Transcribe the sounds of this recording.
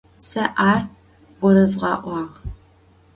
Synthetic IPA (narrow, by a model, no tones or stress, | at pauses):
sɐʔaːr | ɡʷɔɾɐzʁɑ̰ːʔʷɑːʁ